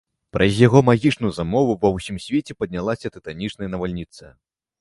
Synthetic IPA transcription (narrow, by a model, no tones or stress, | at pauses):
pɾʔɐzʲjaɣɔmaɣʲit͡ʂnujuzamɔvuvɐwsʲimsʲvʲet͡sʲɛpɐd̪̚ʲnʲalˠasʲɐt̪ɨt̪anʲit͡ʂnɐjɐnɐvalʲnʲit̪sɐ